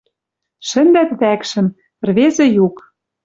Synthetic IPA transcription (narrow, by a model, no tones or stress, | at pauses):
ʃɘ̆nd̪æt̪βækʃɘ̆m | pɘ̆rβezɘ̆juk